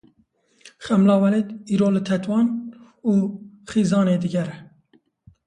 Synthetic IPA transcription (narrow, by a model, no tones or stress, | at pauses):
xɛmlɑːwɛlet̪iːɾoːlɨt̪ʰɛt̪wɑːn | uːxiːzɑːneːd̪ɨɡɛɾɛ